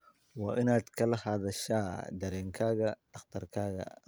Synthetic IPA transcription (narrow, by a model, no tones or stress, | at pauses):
wɐʔɪnaːd̪kʰɐlɐhaːd̪ɐʃaːd̪ɐɾɛːŋkʰaːɣɐd̪̥ɐqt̪ɐrkʰaːɣɐ̰